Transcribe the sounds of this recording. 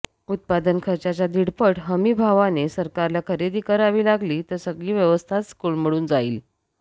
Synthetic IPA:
ut̪̚pad̪ənkʰəɾt͡ɕat͡ɕad̪iɽpəʈɦəmiːbʱaʋanesəɾkaɾlakʰəɾed̪iːkəɾaʋiːlaɡliːt̪əɾsəɡɭiːʋjəʋəst̪ʰaskulmiɭuːnd͡zaiːl

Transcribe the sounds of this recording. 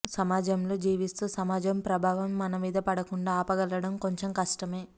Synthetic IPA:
sɐmaːd͡ʒɐmlo̞ːd͡ʒiːʋist̪uːsɐmaːd͡ʒɐmpɾɐbʱaːʋɐmːɐnɐmiːd̪ɐpɐɽɐkuɳɖaːpɐɡɐlɐɽɐmko̞ɲt͡ʃemkɐʂʈɐme̞ː

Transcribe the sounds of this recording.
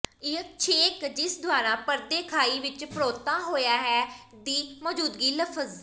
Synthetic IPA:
ɪəkt͡ʃʰeːkd͡ʒɪsd̪ʱʊaːɾãːpəɾd̪eːkʰaːiːʋɪt͡ʃpɾoːt̪ãːɦoːjaːɦɛː | d̪iːmɔːd͡ʒuːd̪ɡiːləpʰəz

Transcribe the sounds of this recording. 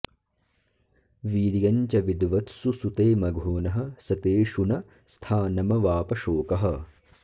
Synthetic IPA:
ʋiːɾjɐɲt͡ʃɐʋid̪ʋɐt̪susut̪eːmɐɡʱoːnɐɦɐ̆sɐt̪eːʃunɐ | st̪ʰaːnɐmɐʋaːpɐʃoːkɐɦɐ̆

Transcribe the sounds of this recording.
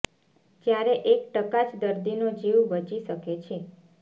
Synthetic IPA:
d͡ʒjaɾeʔekʈəkat͡ʃd̪əɾd̪inod͡ʒiwʋəd͡ʒiʃəket͡ʃʰe

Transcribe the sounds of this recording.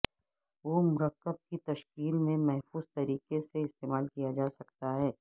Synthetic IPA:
ʋoːmʊɾəkːəb̚kit̪ɐʃkiːlmẽmɛɦfuːzt̪ɐɾiːkeseɪst̪eːmaːlkijad͡ʒaːsɐk̚t̪aɦɛː

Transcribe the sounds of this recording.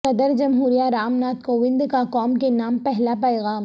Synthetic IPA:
ɐd̪əɾd͡ʒɐmɦuːɾijaɾaːmnaːt̪̚koːʋɪ̃nd̪kakɔːmkenaːmpɛɦlapɛːɣaːm

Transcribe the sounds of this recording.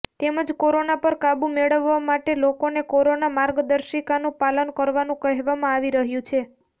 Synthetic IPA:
t̪eməd͡ʒkoɾonapəɾkabũmeɭəʋːamaʈelokonekoɾonamaɾɡd̪əɾʃikanũpalənkəɾʋanũkəɦʋamãaʋiɾəɦjũt͡ʃʰe

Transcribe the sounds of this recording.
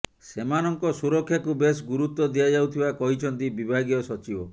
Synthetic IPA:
semanɔŋkɔsuɾɔkʰːjakubesɡuɾut̪ːɔd̪iad͡ʒawt̪ʰibakɔɦit͡ʃʰɔnt̪ibibʱaɡjɔsɔt͡ʃibɔ

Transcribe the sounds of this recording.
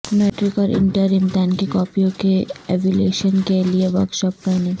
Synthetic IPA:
mɛʈɾikɔːɾʔɪ̰ɳʈiaɾimd̪ɛnkekɔːpiokeɛʋulḛːʃənkelieʋəɾkʃɔːp̚kaine

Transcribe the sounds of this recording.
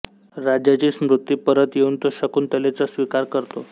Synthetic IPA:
ɾad͡ʑjat͡ɕiːsmɾut̪ːiːpəɾət̪jeuːnt̪oɕəkuːnt̪əlet͡sasʋikaɾkəɾt̪o

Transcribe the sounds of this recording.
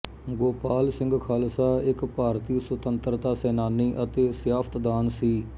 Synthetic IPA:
ɡoːpaːlsɪ̃ŋɡkʰaːlsaːɪkpaːɾt̪iːsət̪ənt̪əɾt̪aːsɛːnaːnːiːʔət̪eːsjaːfʰə̥t̪d̪aːnsiː

